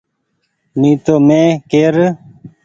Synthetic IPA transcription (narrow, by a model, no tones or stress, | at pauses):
nĩːt̪oːmẽːkeːɾ